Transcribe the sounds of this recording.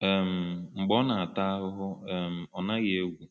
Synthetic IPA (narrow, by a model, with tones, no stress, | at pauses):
e˨m̩˨ŋ͡m̩˨ɡ͡bɔ˦na˨a˨ta˦ɦʊ˦ɦʊ˦e˨m̩˨ɔ˨na˦ɣe˨˦ɡʷu˨